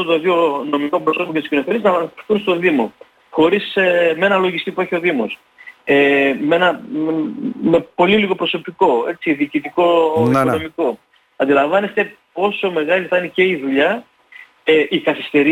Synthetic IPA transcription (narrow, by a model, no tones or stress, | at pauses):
ot̪oðjono̞miko̞pɾosomocet̪uscinofelieznɐvɐnɐisθunst̪o̞ðimo̞ | xo̞ɾisemee̞nɐlo̞ʝist̪ipue̞çio̞ðimo̞̰s | eme̞nɐ | me̞po̞liliɣo̞pɾo̞so̞piko̞e̞tsiðiːcit̪iko̞ikono̞miko̞ | ɐnd̪ilɐɱvɐne̞st̪e̞po̞so̞me̞ɣɐliθɐnice̞iðuʎɐ | eʔikɐθist̪e̞ɾi